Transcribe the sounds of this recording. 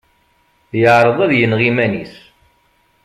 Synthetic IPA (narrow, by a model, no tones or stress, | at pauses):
jəʕɾˤəðˤæðjənʁimænis